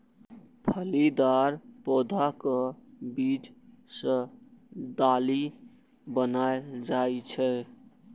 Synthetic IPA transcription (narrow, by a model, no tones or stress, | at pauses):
pʰəlid̪aɾpɔd̪ʱakəbit͡ʃ | sə̃ | d̪ali | bənaed͡ʒaet͡ʃʰɛ